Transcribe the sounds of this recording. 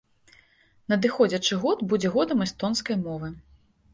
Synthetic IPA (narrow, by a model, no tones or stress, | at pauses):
nɐd̪ɨxɔd͡zʲɐt͡ʂɨɣɔd̪bud͡zʲɛɣɔd̪ɐmɛst̪ɔnskɐjmɔvɨ